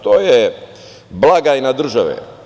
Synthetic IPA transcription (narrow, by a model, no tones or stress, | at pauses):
t̪oːje | blaɡainad̪r̩ʒaʋḛ